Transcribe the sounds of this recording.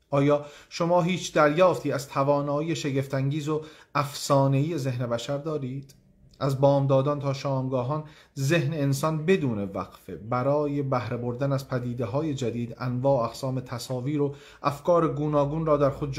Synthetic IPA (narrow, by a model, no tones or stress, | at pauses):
ʔɒːjɒːʃo̞mɒːɦiːt͡ʃʰd̪æɾjɒːft̪iːæzt̪ʰævɒːnɒːiːje̞ʃe̞ɡe̞ft̪æŋɟiːzo̞ | æfsɒːne̞iːje̞ze̞hne̞bæʃæɾd̪ɒːɾiːd̪̥ | ʔæzbɒːmd̪ɒːd̪ɒːnt̪ʰɒːʃɒːmɡɒːɦɒːnze̞hne̞ːnsɒnbe̞d̪uːne̞væ̰ɡ̥fe̞̰bæɾɒːje̞bæhɾe̞bo̞ɾd̪ænæzpʰæd̪iːd̪eɦɒːje̞d͡ʒæd̪iːd̪ænvɒːæɡsɒːme̞t̪ʰæsɒːviːɾo̞ | ʔæfkʰɒːɾe̞ɡuːnɒːɡuːnrɒːd̪æɾxo̞d̪̚d͡ʒ